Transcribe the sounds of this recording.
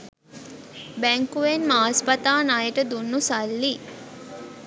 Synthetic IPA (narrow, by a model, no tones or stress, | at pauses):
bæŋkuʋenmaːspat̪aːnajəʈəd̪unːusalːi